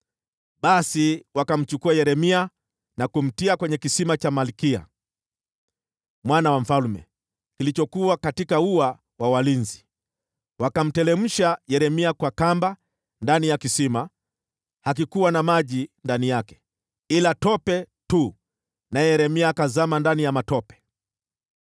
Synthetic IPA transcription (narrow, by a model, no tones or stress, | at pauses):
ɓasiwakam̩t͡ʃukuajɛɾɛmia | nakum̩tiakwɛɲɛkisimat͡ʃamalikia̰ | mwanawam̩falmɛ̰ | kilit͡ʃɔkuakatikaua | wawalinzi | wakam̩tɛlɛm̩ʃajɛɾɛmiakwakamba | ndanijakisima | hak̬ikuwanamaʄindanijakɛ̥ | ilatɔpɛtu | najɛjɛɾɛmiaːkazamandanijamatɔpɛ̥